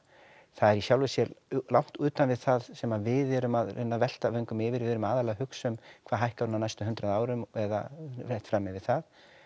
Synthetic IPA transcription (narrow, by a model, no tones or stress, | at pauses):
θaðɛɾisjawlvɪsjɛlawŋ̥t̪ʏːt̪anvɪðθaðsɛmavɪðɛɾʏmaðrɪ̰nːavɛl̥t̪avɛŋkʏmɪvɪɾvɪðɛɾʏmaːðalahʏksʏmkʰvaːɦajhkaɾʏnanajst̪ʏɦʏnt̪ɾaðaːwɾʏmɛða̰raht̪fɾaːmɪvɪð̥θað